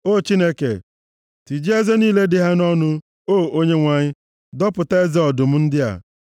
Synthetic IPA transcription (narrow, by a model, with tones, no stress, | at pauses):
o˦˨t͡ʃi˦ne˦kḛ˨ | ti˨d͡ʒi˦e˦ze˦niː˦le˦dɪ˨ɦa˦nɔ˦nʊ˦ | oː˦˨ʔo˦ɲe˦ŋʷa˨ɲɪ˦ | dɔ˦pʊ˨te˦e˦za˦ɔ˨dʊ˨m̩˦n̩˦dɪ˦a̰˨